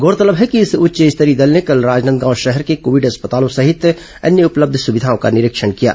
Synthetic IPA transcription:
ɡoːɾt̪ələbɦɛkiɪsʊtːʃeɪst̪əɾid̪ɐlnekɐlɾaːd͡ʒnənd̪̚ɡãːʊ̃ʃɛɦɛɾkekoːʋɪɖɦɐspət̪aːlõsɐɦɪt̪ | ɐ̰nːjəʊpləb̚d̪ʱsʊbɪd̪ʱaõka̰nɪɾɪkʃənkija̰ː

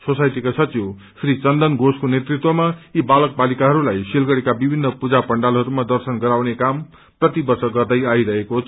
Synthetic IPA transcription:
sosajt̪ikasʌt͡siw | sʰrit͡sʌnd̪ʌnɡoskonet̪rit̪wʌmaibalʌk̚balikaɦʌɾulajsilɡʌɽekabibʱinːʌpud͡zapʌɳɖalɦʌɾumad̪ʌrsʌnɡʌɾawnekam | prʌt̪ibʌrsʌɡʌrd̪ʌjajɾʌɦekot͡sʰ

